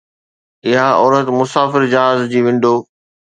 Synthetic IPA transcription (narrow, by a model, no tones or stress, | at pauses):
ɪɦaɔːɾət̪mʊsaːfɪɾd͡ʑaːɦazd͡ʑiːʋɪ̃ɳɖʱoː